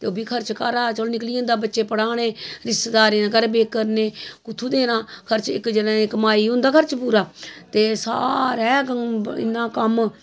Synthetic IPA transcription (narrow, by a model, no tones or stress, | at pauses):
t̪eoːbiːkʰəɾt͡ʃkaːɾaːt͡ʃəlnɪkliːõːnd̪aːbətːʃeːpəɽaːneːɾɪsd̪aːɾeːãːɡəɾbeːkːəɾneːkʊt̪ʰːuːd̪eːnãːkʰəɾt͡ʃɪ̰kd͡ʒənãɪkəmaːiːɦʊ̃nd̪aːkʰəɾt͡ʃpuːɾaːt̪eːsa̰ːɾɛːkəɪ̰nːãːkəm